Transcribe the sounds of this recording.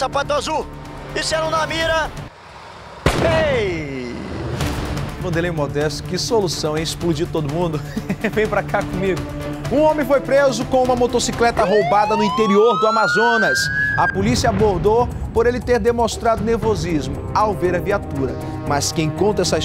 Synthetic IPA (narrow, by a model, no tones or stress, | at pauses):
sapat̪azuisɛɾɐ̃w̃namiɾɐ | e | mɐ̃d̪elẽj̃ũmod̪ɛst̪ʊ̥kɪsolusɐ̃w̃ɛisplud͡ʒit̪od̪ʊmũnd̪ʊvẽj̃pɾakakõmiɡʊ | ũõmẽfojpɾezʊkõũmɐmot̪osiklɛt̪ɐɦowbad̪ɐnʊĩnt̪eɾioɾd̪ʊamazõnɐsɐpolisiɐaboɾd̪o | poɾelɪt̪eɾd̪emõst̪ɾad̪ʊneɾvozizmʊawveɾɐviat̪uɾɐ̰ | mɐskẽj̃kõnt̪ɐɛsɐ